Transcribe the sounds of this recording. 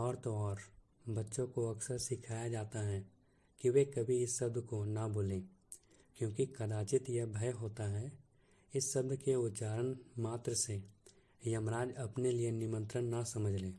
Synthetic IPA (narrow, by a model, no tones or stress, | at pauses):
ɔːɾt̪oɔːɾ | bɐtːʃõkoɐksəɾsɪkʰaːjad͡ʒaːt̪aɦɛ | kiʋekɐbʱiɪsːɐb̚d̪ʱkonaboːlẽː | kjõːkikɐd̪aːt͡ʃɪt̪jebʱɐjɦoːt̪aɦɛ | ɪsːɐbd̪keʊt̪t͡ʃaːɾənmaːt̪ɾəse | jɐmɾaːd͡ʒɐpnelijenɪmə̃nt̪ɾənːasɐməd͡ʒʱleː